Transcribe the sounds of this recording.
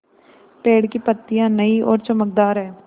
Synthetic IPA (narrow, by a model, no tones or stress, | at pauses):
peːɽkiːpət̪ːijãːnəiːʔɔ̰ːɾt͡ʃəmək̚d̪aːɾɦɛː